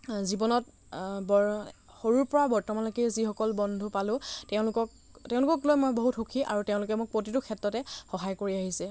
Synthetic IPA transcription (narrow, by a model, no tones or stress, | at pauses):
zibɔnɔt̚ | bɔ | xoɹuɹpɔɹabɔɹtɔmanlɔkizixɔkɔlbɔndʱupalʊ̃tɛʊ̃lʊkɔk̚ | teʊ̃lʊkɔklojmojboɦutxukʰiʔa̰ɹuteʊ̃lʊkɛmʊk̚pɹot̬itʊkʰɛtɹɔtɛxɔɦajkoɹiaɦisɛ